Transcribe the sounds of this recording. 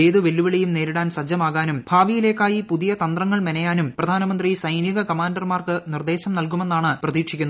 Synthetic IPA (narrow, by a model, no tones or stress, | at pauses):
eːðuʋe̞lːuʋiɭejumne̞ːɾiɽaːnsɐd͡ʑːɐmaːɣaːnumbʱaːʋijile̞ːkːaːjipuðijɐt̪ɐnd̪rɐŋːɐɭmenɐjaːnumprɐd̪ʱaːnɐmɐnd̪risɐjnjɐɣɐkɐmaːndɐrmaːrkɨnird̪e̞ːɕɐmnɐlk̬ume̞nːaːɳɨprɐðiːkʂikʲːunːɐ